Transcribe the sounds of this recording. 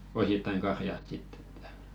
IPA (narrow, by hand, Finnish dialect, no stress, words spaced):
ositːɑiŋ kɑrjɑst sitː e̥tːæ̥